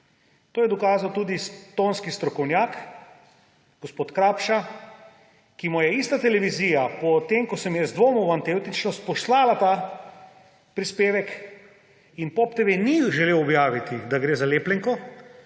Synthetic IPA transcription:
t̪oːjɛd̪ɔkaːzawt̪uːd̪ist̪oːnskist̪ɾɔkɔwnjaːk | ɡ̥ɔspoːt̪kɾaːpʃa | kimɔjɛist̪at̪ɛlɛʋiziːjapɔt̪emkɔsɛmjɛzd̪ʋoːmɔwant̪ewt̪it͡ʃnɔst̪̚pɔslaːlat̪aː | pɾispeːʋɛk | inpɔpt̪eʋeniʒɛleːwɔbjaːʋit̪id̪aɡɾeːzaleːplɛŋkɔ

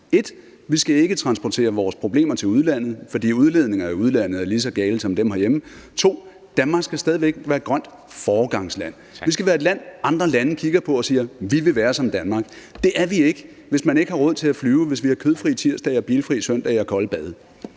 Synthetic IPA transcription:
e̝d̥ | ʋisɡ̥æe̝ɡ̥ət͡sʰʁɑ̈nsb̥ɒt͡sʰe̝̰ːɐʋɒːspʰʁo̝b̥le̝̰ːmɐt͡sʰe̝luð̞ˠlæn̰ð̞̩ˠfɒ̽dḭːuð̞ˠle̝ð̞ˠne̝ŋɐæuð̞ˠlæn̰ð̩ˠæɐlisɒ̽ɡ̥ɛːlsɒ̽md̥emhɑjemət͡sʰo̝̰ː | d̥ænmɑ̈ɡsɡ̥æsd̥ɛːð̞ˠiʋeɡ̥ʋæːɐedɡ̥ʁɶn̰d̥ | fɒːɡ̥ɑ̈ŋslæn̰ | ʋis̬ɡ̥æʋæːɐe̝d̥læn̰ɑ̈nd̥ʁɐlænəkʰiɡ̥ɐpʰɒ̽ɒ̽siːɐʋiʋe̝ʋæːɐsɒ̽md̥ænmɑ̈ːɡ̥d̥e̝ʔæɐʋie̝ɡ̥ə | ʋe̝smæne̝ɡ̥hɑ̈ʁɔ̽ð̞̰ˠt͡sʰe̝æflyːʊʋe̝s̬ʋihɑ̈kʰøð̞̩ˠfʁḭːt͡sʰiɐ̰sd̥ɛɪɐb̥iːlfʁḭːsœn̰d̥ɐiɒkʰɒ̽ləb̥ɛð̞ˠ

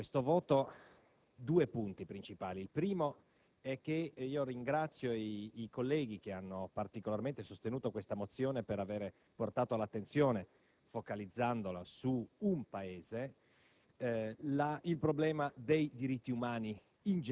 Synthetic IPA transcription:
est̪ovɔːt̪o | d̪uːepunt̪ipɾint͡ʃipaːliːlpɾiːmo | ɛk̟ːeiːoɾiŋɡɾat̪sːjoːkolːɛːɡik̟eanːopart̪ikolarment̪esost̪enuːt̪okwest̪amot̪sːjoːnepeɾaveːɾe | port̪aːt̪olat̪ːent̪sjoːne | fokalid̪zːand̪olasuumpaeːze | lailpɾoblɛːmad̪ejd̪iɾit̪ːiumaːni | ind͡ʒ

